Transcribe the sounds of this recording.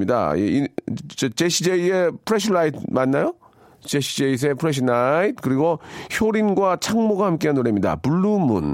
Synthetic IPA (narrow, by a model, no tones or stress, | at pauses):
ida̰jeit͡ɕʌt͡ɕeɕʰid͡ʑeiepʰɯɾeɕʰnaitʰmanːajo | t͡ɕeɕʰid͡ʑeis̬ʰepʰɯɾeɕ̬ʰɯnait̚ʰkɯɾiɡoçoɾinɡwat͡ɕʰaŋmoɡahamk͈eɦanoɾemɲida̰puɭːumṵn